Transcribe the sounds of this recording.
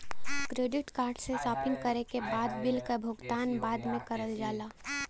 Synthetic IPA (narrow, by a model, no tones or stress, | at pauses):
kɾeːɖɪʈkaːɾɖsesaːpɪ̃ŋkəɾekebaːd̪bɪlkəbʱʊɡt̪aːnbaːd̪mẽkəɾəld͡ʒaːlaː